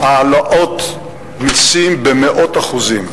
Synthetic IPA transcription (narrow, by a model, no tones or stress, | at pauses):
aːlaʔo̞t̪ | misimbemeʔot̪aχuzim